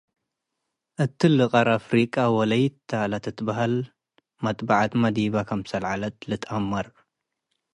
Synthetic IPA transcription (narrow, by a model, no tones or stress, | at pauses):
ʔɨt̪ʰːilɨqʼɐɾafɾikʼawɔlɐjt̪ʰːalat̪ɨt̪ʰːɨbɐhal | mɐt̪ʼbaʕat̪mɐd̪iβakʰɐmsɐlʕalɐt̪lɨt̪ʼɐmːɐɾ